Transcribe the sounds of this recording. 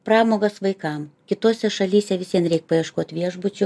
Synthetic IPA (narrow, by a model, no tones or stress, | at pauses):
prɑːmoːɡɐsʋɐɪkɐmkʲɪt̪oːsʲɛʃɐlʲiːsʲɛʋʲɪsʲiɛnɾʲɛɪk̚pɐiɛʃkoɔt̪ʲʋʲiɛʒbʊt͡ʃʲʊ